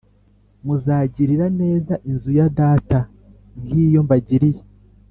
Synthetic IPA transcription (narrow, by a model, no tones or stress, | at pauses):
muzaːɟiɾiɾane̞ːzaʔinzujadaːta | ŋhiːjo̞mbaɟiɾije